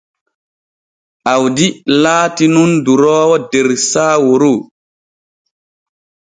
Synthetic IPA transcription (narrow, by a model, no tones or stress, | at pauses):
ʔawdilaːtinunduɾɔːwɔdɛɾsaːwoɾo